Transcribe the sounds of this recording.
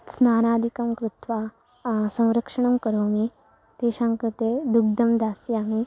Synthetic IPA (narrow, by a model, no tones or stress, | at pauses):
snaːnaːd̪ʱikɐmkɾut̪ʋaː | sɐ̃w̃ɾɐkʂɐɳ̃ɐmkɐɾoːmi | t̪eːʃaːŋkɾɐt̪ed̪uɡ̚d̪ɐmd̪aːsjaːmi